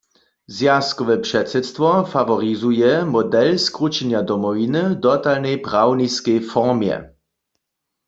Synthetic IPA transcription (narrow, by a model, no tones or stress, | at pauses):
zjaskɔʋɛpʂɛtsɛt̪st̪vɔfavɔʁizujɛmɔdɛlskʁut͡ʃɛnjad̪ɔmɔvinɨd̪ɔtalnɛjpʁawniskɛjfɔʁmjɛ̰